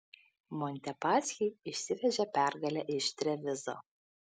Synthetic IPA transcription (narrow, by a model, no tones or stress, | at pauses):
mɔnʲt̪ʲɛpɑːsʲxʲiɪʃʲsʲɪʋʲɛʒʲɛpʲæˑɾɡɐlʲɛʔɪʃt̪ʲɾʲɛʋʲɪzo̰ː